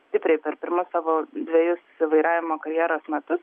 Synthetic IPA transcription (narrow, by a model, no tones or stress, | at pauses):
sʲt̪ʲɪpʲɾʲɛɪpʲɛɾpʲɪɾmʊssɑːʋoːd̪ʲʋʲɛjʊsɪʋɐɪɾɑːʋʲɪmoːkɐɾʲjæːɾoːsmʲɛt̪ʊs